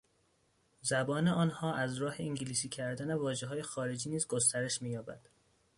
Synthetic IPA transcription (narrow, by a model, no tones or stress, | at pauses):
zæbɒːneɒːnhɒːʔæzɾɒːheiŋɟiliːsiːcʰæɾd̪ænevɒːʒeɦɒːje̞xɒːɾe̞d͡ʒiːniːzɡost̪ʰæɾe̞ʃmiːjɒːbæ̰d̪̥